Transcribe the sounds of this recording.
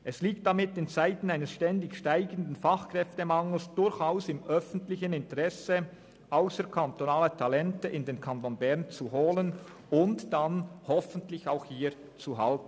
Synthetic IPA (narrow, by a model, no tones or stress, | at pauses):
ʔɛsliːk̚t̚d̥amɪtɪnt͡saɪtn̩aɪnəsʃtɛndɪçʃtaɪɡən̩dən̩faχkʁ̥ɛftəmaŋl̩sd̥ʊɾçaʊsɪmʔœfn̩tlɪçənɪntəʁɛsə | ʔaʊsəkʰantonaːlətʰalɛntəʔɪndeːnkʰantonbɛʁnt͡suɦoːlən | ʊntd̥anhɔfəntlɪçaʊxhiː | t͡suɦaltn̩